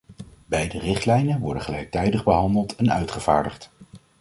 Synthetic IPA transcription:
bɛjdərɪχtlɛjnənʋɔɹdəχəlɛjk̚tɛjdəχbəɦɑndəlˠtʰɛnœɥtχəv̥a̰ːɹdəχt

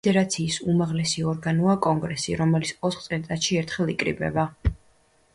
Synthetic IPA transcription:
ɛɾat̪sʰiːsumaʁlɛsiɔɾɡanuakʼɔŋɡɾɛsḭɾɔmɛlit̪sʰɔt̪ʰχt̪sʼɛnt̪ʼat̪ʃiɛɾt̪ʰχɛlˠikʼɾḭbɛ̰ba

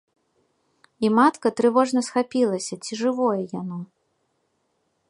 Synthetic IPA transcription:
imat̪kɐt̪ɾɨvɔʐnɐsxapʲilˠɐsʲɐt͡sʲiʐɨvɔjɐjanɔ

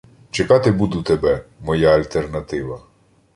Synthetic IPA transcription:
t͡ʃekɑt̪ɪbud̪ʊt̪ebɛmɔjaɐlʲt̪ernɐt̪ɪʋɐ

